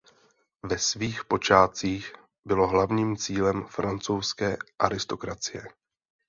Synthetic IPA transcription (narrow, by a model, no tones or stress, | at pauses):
vɛsviːxpo̞t͡ʃaːt͡siːx | bɪlo̞ɦlavɲiːmt͡siːlɛmfɾant͡sowskɛːʔaɾɪst̪o̞kɾat͡sɪjɛ